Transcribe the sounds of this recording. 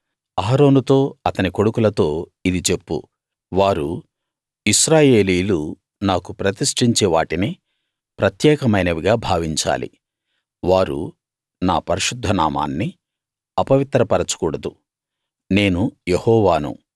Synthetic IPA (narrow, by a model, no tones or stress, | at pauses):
aːɾo̞ːnut̪o̞ːɐt̪ɐniko̞ɽukulɐt̪o̞ːid̪it͡ʃe̞pːṵ | ʋaːɾṵ | iʃɾaːje̞ːliːlu | naːkupɾɐt̪iʂʈiɲt͡ʃeːʋaːʈini | pɾɐt̪jɛːkɐmɐjnɐʋiɡaːbʱaːʋiɲt͡ʃa̰ːlḭ | ʋaːɾṵ | na̰ːpɐɾiʃud̪ʱːɐna̰ːma̰ːnːi | ɐpɐʋit̪ɾɐpɐɾɐt͡ʃu̥kuːɽɐd̪u | ne̞ːnujehɔːʋaːnṵ